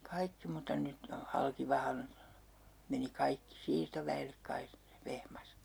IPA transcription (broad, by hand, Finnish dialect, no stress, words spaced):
kɑikːi mutɑ nyt ne o hɑlkiʋɑhɑn meni kɑikːi siːrtoʋæelːek kɑi ʋehmɑs